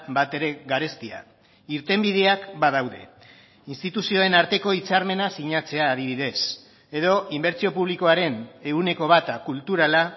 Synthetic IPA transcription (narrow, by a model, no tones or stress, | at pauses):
bat̪e̞ɾe̞ɣaɾe̞st̪ia̰ | iɾt̪e̞mbið̞e̞akbaðawðe̞̰ | inst̪it̪usio̞e̞naɾt̪e̞ko̞it͡saɾme̞nasiɲat͡se̞aːðiβ̞iðe̞s | e̞ðo̞imbe̞ɾt͡sio̞puβliko̞aɾe̞ne̞ɣune̞ko̞β̞at̪akult̪uɾala